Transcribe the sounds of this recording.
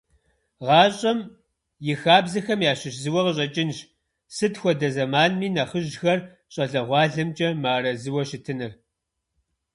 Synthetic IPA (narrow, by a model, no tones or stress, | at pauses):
ʁɑːɕʼɐm | jɪxaːbzɐxɐmjaːɕɪɕzɨwɐʁəɕʼɐt͡ʃʼɪnɕ | sɨtxʷɔdɐzɐmaːnmiːnɐχəʑxɐr | ɕʼɐɮɐʁʷɑːɮɐmt͡ʃʼɐmaːɾɐzɨwɐɕɪtʰɨnɨr